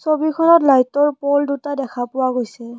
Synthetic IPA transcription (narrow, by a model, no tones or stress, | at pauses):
sobikʰɔnɔtlajtɔɹpɔldutadɛkʰapʊwaɡojsɛ